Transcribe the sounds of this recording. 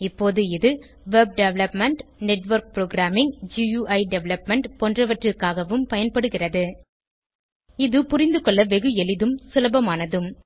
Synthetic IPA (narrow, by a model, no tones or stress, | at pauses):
ɪpːoːðɯɪðɯ | ʋɛb̚ɖɛʋlɐpmɛɳʈnɛʈʋɐɾk̚pɾoːɡɾaːmɪŋd͡ʒijuːʔɐɪɖɛʋlɐpmɛɳʈpɔndrɐʋɐʈrɯkːaːɣɐʋɯmpɐjɐnpɐɽɯɣɪrɐðɯ | ɪðɯpʊrɪnd̪ɯkɔɭːɐʋɛɣɯɛlɪðɯmsʊlɐbɐmaːnɐðɯm